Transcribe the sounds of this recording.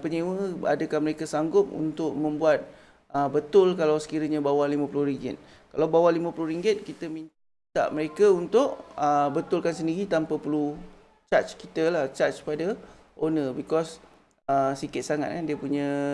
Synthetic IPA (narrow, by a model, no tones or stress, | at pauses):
pəɲiwəa̰dəkanməɾekasaŋɡʊp̚ṵnt̪ʊʔ̚mə̃mbuat̪̚ | əbət̪ʊlkalawsə̥kiɾəɲãbawahlimãplʊhɾiŋɡɪ̰t̪̚ | kalawbawahlimə̃pulʊɾiŋɡɪt̪̚kit̪əmin | t̪a̰ʔməɾekaunt̪ʊʔəbət̪ʊlkans̬əndiɾit̪ampapəlu | t͡ʃat͡ʃkit̪əlaht͡ʃat͡ʃpada | ʔonəbikɔs | əsikɪt̪̚saŋa̰t̪̚kandiəpuɲə̃